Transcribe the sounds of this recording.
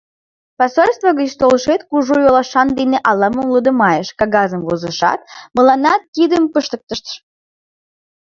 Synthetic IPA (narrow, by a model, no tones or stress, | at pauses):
pɑsolʲst̪voɣət͡ɕt̪olʃet̪kuʒojolɑʃɑnd̪eneʔɑlɑməmləd̪ə̆mɑjeʃkɑɡɑzəmvozəʃɑ̰t̪̚məlɑnɑt̪̚kid̪əmpəʃt̪ək̚t̪əʃt̪ə̥ʃ